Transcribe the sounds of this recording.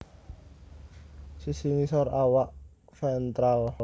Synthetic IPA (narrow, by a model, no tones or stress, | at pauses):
sisiŋisɔɾawaʔ | fɛnt̪ɾaw